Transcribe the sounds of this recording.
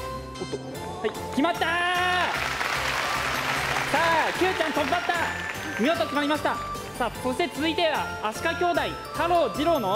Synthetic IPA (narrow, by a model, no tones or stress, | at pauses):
hai | kʲimat̪ːa | saːkʲɨːt͡ɕãnt̪okʲimat̪ːa | mʲioːt̪okʲimaɾimaɕi̥t̪a | saːso̞ɕi̥t̪et͡sɨzɨit̪e̞βaːɕi̥kakʲo̞ːd̪ai | kʰaɾo̞ːd͡ʑiɾo̞ːno